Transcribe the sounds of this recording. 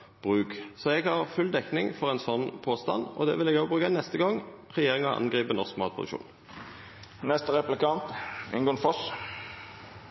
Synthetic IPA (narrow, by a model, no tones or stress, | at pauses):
b̥ʁʉːksɔɛɡhɑʁfʉld̪ɛknɪŋfɔʁɛnsɔnːpʰoːst̪ɑ̰nɔ̰d̪ɛ̰ːʋɪlɛːɡoːɡbʁʉːkənɛst̪əɡɔŋ | ʁɛjeːʁɪŋɑʔɑ̰nɡʁiːbənɔʁskmɑːt̪̚pʰʁʊd̪ʉkʃṵːn | nɛst̪əʁɛplɪkɑnt̪ɪnɡoːənfɔs